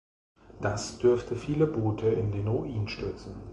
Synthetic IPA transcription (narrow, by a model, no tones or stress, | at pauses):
d̥asd̥ʏɐftʰəfiːləboːtʰəɪ̰ndeːnʁuʔiːnʃtʏɐt͡sn̩